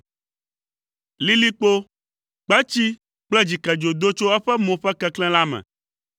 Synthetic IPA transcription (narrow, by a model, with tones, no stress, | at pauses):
li˦li˦k͡po˦ | k͡pɛ˦t͡ɕi˦ | k͡plɛ˦d͡ʑi˨kɛ˨d͡ʒo˨d̪o˦t͡ʃo˦ɛ˦ɸɛ˦mõ˨ɸɛ˦kɛ˦klɛ̃˦la˦mɛ̰̃˨